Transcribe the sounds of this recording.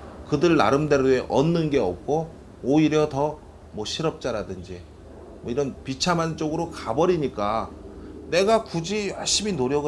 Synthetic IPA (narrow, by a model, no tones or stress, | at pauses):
kɯdɯɭna̰ɾɯmde̞ɾoeʔʌnːɯnɡe̞ʌ̰p̚k͈o | oiɾjʌtʌ | mwʌɕʰiɾʌp̚t͡ɕ͈aɾadɯnd͡ʑi | mwʌiɾʌnpit͡ɕʰamant͡ɕ͈oɡɯɾokabʌɾiɲik͈a | ne̞ɡakud͡ʑiaɭɕ͈ʰiminoɾjʌɡɯ